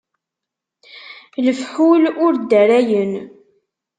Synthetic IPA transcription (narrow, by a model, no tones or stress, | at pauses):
ləfħulʊɾd̪æɾæjən